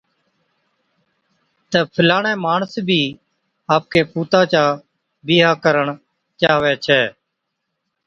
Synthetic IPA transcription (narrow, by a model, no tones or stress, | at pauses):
t̪əːpʰəlaːɳɛ̃ːmaːɳsbʱiː | aːp̚keːpuːt̪ãːt͡ʃaː | bɪːɦaːkəɾəɳ | t͡ʃaːʋɛːt͡ʃʰɛː